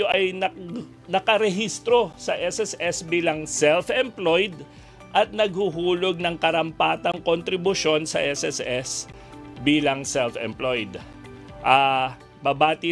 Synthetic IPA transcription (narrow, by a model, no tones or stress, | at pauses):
oʔɐjnɐ | nɐkɐɾɛɦist̪ɾo̞sɐʔɛsɛsɛsbiːlɐŋsɛlfʔɛmplojd̪ | ʔɐt̪̚nɐɡ̚huɦuːloɡ̚nɐŋkɐɾɐmpaːt̪ɐŋkont̪ɾɪbʊʃo̞nsɐ̰ʔɛsɛsɛs | biːlɐŋsɛlfɛ̰mplojd̪ | ʔa | bɐbaːt̪ɪ